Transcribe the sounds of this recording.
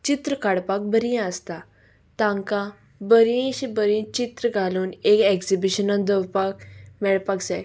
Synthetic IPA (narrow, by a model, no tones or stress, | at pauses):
t͡ɕit̪ɾəkaɽpak̚bəɾĩəst̪a | t̪ãŋka | bəɾĩɕibəɾĩt͡ɕit̪ɾəɡʱaluːnekekzibiɕənãnd̪əwpakmɛɭpaksɛ